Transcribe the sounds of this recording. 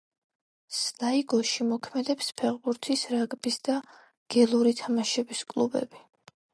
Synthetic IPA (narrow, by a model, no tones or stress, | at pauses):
snaiɡɔʃimɔkʰmɛd̪ɛpspʰɛʁbuɾt̪ʰisɾaɡʼbisd̪̥a | ɡ̥ɛlˠuɾit̪ʰamaʃɛbiskʼlˠubɛ̰b̥i